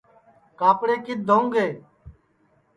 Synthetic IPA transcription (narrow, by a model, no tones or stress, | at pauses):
kaːpɽeːkɪt̪̚d̪ʱoũŋɡeː